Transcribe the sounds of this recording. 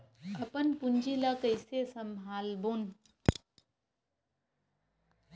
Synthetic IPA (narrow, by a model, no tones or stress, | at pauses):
əpənpund͡ʒiləkəjsesəmʱalbon